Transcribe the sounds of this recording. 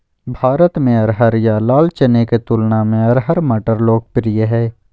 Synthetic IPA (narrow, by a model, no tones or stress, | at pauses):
bʱaːɾət̪mẽɐɾɦəɾjalaːlt͡ʃəneket̪ulnamẽɐɾɦɐɾmɐʈəɾloːɡ̚pɪɾɪjəɦɛː